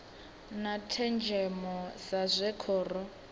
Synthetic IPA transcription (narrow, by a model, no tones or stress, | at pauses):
natʰɛnd͡ʒʱɛmɔsazʷɛkʰɔːrɔ